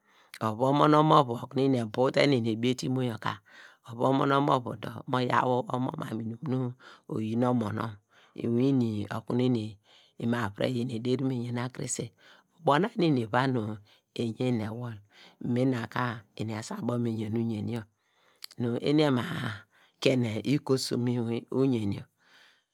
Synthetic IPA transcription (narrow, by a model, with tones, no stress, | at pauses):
o˨βo˦mo˦no˦mo˦βu˨o˨ku˦n˦i˦n˨e˨bu˦te˦ne˨n˨e˨bi˦e˦ti˦mo˦jo˨ka̰˨o˨βo˦mo̰˦no˦mo̰˦βṵ˨do̰˨mo˦ja̰˦wo˦o˦mo̰˦ma̰˨mi˨nu˨mnu˦o̰˨ji˦n˦o˦mo˨no̰˦m | ḭ˨wi˦ni˨o̰˨ku˦ni˦ne˨ | i˨ma˨βɾḛ˦˨je˨n˨e˨de˦ɾi˦me˨ɲe˨na˦kɾḭ˦se˨ | o˨bo˦na˦ni˦˨ni˨βa˦nu˨ | e˨ɲe˦˨ne˨wo˦l̩˨me˦na˨ka˦e˨ni˨a˨sa˦˨bo˦m˦e˨ɲe˨nu˦ɲe˨ni˦o˦ | nu˨ʔḛ˦n˦e˦ma˨ | ke˦ne˨ʔi˦ko˦sṵ˨mi˦u˦ɲe˨ni˨˦o̰˨